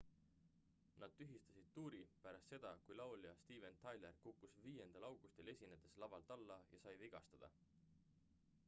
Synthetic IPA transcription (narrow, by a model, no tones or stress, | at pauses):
nɑd̪̥̚t̪ːyɦist̪ɑsid̪̥̚t̪uːɾipæɾɑst̪se̞d̪̥ɑkujlɑowljɑst̪iːve̞nt̪ʰɑjle̞rkukːusviːje̞nd̪̥ɑlɑwɡ̥ust̪e̞le̞sʲined̪̥e̞slɑvɑlt̪ɑlːɑjɑsɑjviɡ̥ɑst̪ɑd̪̥ɑ̰